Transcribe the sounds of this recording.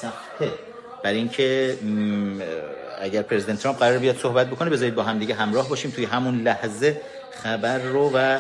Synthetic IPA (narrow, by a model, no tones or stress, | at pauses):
b̥æɾiŋcʰe̞ | æɟæɾpʰɾe̞zid̪ent̪ʰːɾɑmp̚ɢæɾɒːɾebijɒːd̪̥sohbæt̪̚bo̞kʰo̞nebe̞zɒːɾiːd̪bɒːɦæmd̪iːɟeɦæmɾɒːhbɒːʃiːmt̪ʰuːjeɦæmunlæhze | xæbæɾːovæ